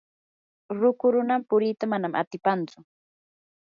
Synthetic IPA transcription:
ɾʊkʊɾʊnampʊɾɪt̪amanamʔa̰t̪ɪpant͡sʊ

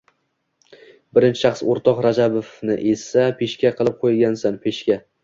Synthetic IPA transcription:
bɪɾɪnt͡ʃʰɪ̥ʃɑχsoɾt̪ʰɒqɾad͡ʒabofnɪʔessapʰeʃkʲaqʰɨlˠɪp̚qʰojɡʲansanpʰeʃkʲa

